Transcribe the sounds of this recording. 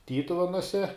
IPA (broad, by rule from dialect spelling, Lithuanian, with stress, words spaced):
ˈtʲiːtʊʋʲɛnuɔsʲɛ